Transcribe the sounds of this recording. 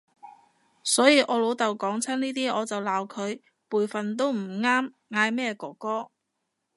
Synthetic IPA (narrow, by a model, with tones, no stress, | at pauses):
sɔː˨˥jiː˨˧ʔɔː˨˧lo˨˧wt̪ɐ˨wkɔː˨˥ŋt͡sʰɐ˥niː˥t̪iː˥ɔː˨˧t͡sɐ˨wlaː˨˧wkʰɵ˨˧ɥ | puː˨jfɐ˨nt̪̬o˥wm̩˨˩ŋaː˥m | ŋaː˨˧jmɛː˥˩kɔː˨˩kɔː˥